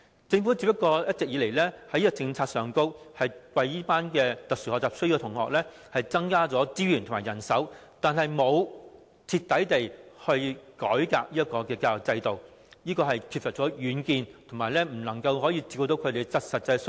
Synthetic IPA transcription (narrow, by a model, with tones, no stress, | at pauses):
t͡sɪ˧ŋfu˨˥t͡si˧pːɐ˥kːɔː˧jɐ˥t̚t͡sɪ˨k̚jiː˨˧le˨˩jlɛː˥hɐ˨˥jiː˥kɐ˥t͡sɪ˧ŋt͡sʰaː˧t̚sœː˨˩ŋko˥whɐ˨jwɐ˧jiː˥paː˥nkɛː˧t̪ɐ˨k̚sy˨˩hɔː˨k̚t͡saː˨p̚sju˨˧wt̪ʰʊ˨˩ŋhɔː˨k̚lɛː˥ | hɐ˨jt͡sɐ˥ŋkaː˥t͡sɔː˨˥t͡siː˥jyː˨˩nt̪ʰmaː˨˩jɐ˨˩nsɐ˨˥wt̪aː˨nɦɐ˨jmo˨˧w | t͡sʰiː˧t̪ːɐ˨˥jt̪e˨jhɵ˧ɥkɔː˨˥jka̰ː˧k̚liː˥jɐ˥kɔː˧kɛː˧kaː˧jɔ˨k̚t͡sɐ˧jt̪o˨w | jiː˥kɔː˧ɦɐ˨jkʰi˧p̚sɐ˨t̚t͡sɔː˨˥jyː˨˧nkiː˨˧nt̪ʰʊ˨˩ŋmaː˨˩jlɛː˥m̩˨˩nɐ˨˩ŋkɐ˧wɦɔː˨˥jiː˧t͡siː˧ko˧t̪o˨˥wkʰɵ˨˧t̪e˨˧˩sɐ˨t̚sɐ˨t̚t͡sɐ˧s